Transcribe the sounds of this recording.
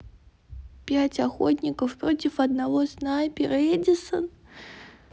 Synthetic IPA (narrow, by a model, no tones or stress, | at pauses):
pʲat͡sʲaxɔtʲnʲikəfpɾɔt͡sʲifɐd̪navɔsnajpʲiɾɛdʲisɐn